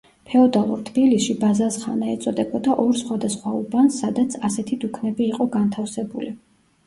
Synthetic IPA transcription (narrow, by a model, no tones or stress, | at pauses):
pʰɛɔd̪alˠṵɾt̪ʰb̥ilisʃibazasχanaɛt̪sʼɔd̪ɛbɔd̪aʔɔɾsχwad̪asχwaubansːad̪at̪sʰasɛt̪ʰid̪ukʰnɛbiːqʼɔɡant̪ʰafsɛbuli